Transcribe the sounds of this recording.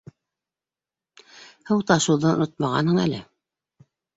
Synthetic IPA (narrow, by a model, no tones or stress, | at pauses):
hɤwt̪ɑʃulˠd̪ɑnŏnot̪̚mɑʁɑ̰nhɤɴæ̰lɘ